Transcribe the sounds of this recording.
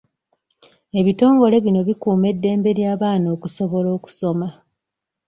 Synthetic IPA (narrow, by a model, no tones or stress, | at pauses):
e̞βito̞ːŋɡo̞le̞βino̞βikuːme̞dːe̞ːmbe̞ɾjaːβaːno̞ːkuso̞βo̞lo̞ːku̥so̞ma